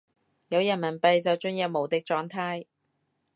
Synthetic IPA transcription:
jɐ˨˧wjɐ˨˩nmɐ˨˩npɐ˨˧jt͡sɐ˨wt͡ʃɵ˥njɛː˨˥p̚mo˨˩wt̪ɪ˨k̚t͡ʃɔː˨˧ŋt̪ʰaː˥j

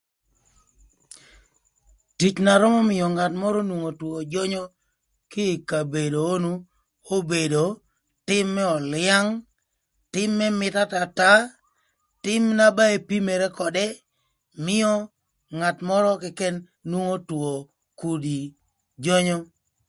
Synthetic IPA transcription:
ti˦t͡ʃna˨ɾɔ˦mɔ˦mɪ˨jɔ˨ŋa˨tmɔ˦ɾɔ˦nwu˨ŋo˨two˨d͡ʒɔ˦ɲɔ˦ | kɪ˦˨ka˨be˨do˨o˦nu˦ | o˦be˨do˨ | tɪ˦mːɛ˦ɔ˨lɪa˦ŋ | tɪ˦mːɛ˦mɪ˨ta˦ta˨ta˦ | tɪ˦mna˦ba˦e˦pi˦me˨ɾɛ˦kɔ˨dɛ˦ | mɪ˦jɔ˦ | ŋa˨tmɔ˦ɾɔ˦kɛ˨kɛ˦nː | wu˦ŋo˦two˨ | ku˨di˨ | d͡ʒɔ˦ɲɔ˦

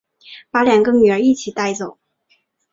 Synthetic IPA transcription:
pa˧˥ljɑ˨˩ŋɡə˧˦ny˨˩ə˞˧˥i˥˩t͡ɕʰi˨˩t̪a˥˩ɪt͡so˨˩˦ʊ

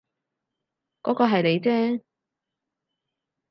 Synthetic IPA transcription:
kɔː˨˥kɔː˧ɦɐ˨jne˨˧jt͡sɛː˥

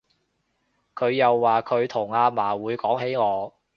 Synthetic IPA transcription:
kʰɵ˨˧ɥjɐ˨wːaː˨˩kʰɵ˨˧ɥt̪ʰʊ˨˩ŋaː˧maː˨˩wuː˨˧jkɔː˨˥ŋɦe˨˥jŋɔː˨˧

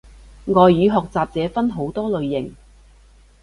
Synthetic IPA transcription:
ŋɔː˨jːyː˨˧ɦɔː˨k̚t͡saː˨p̚t͡sɛː˨˧fɐ˥nɦo˨˥wt̪ɔː˥lɵ˨ɥːɪ˨˩ŋ

